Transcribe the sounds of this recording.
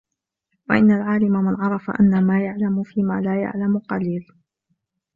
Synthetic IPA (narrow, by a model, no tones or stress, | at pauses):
waʔɪnːalʕaːlɪmamɪnʕɑɾˤɑfa̰ʔa̰nːamaːjaʕlamʊfiːmaːlaːja̰ʕlamʊqɑliːl